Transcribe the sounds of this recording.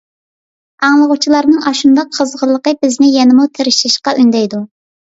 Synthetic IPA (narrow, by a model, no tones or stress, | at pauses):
ɑŋlˠəʁʊt͡ʃʰilˠɑɾnɨŋɑʃund̪ɑqʰːəzʁəlˠːəqəbɪznɪjɛnɪmut̪ʰeɾɪʃɪʃqɑʔynd̪ɛjd̪u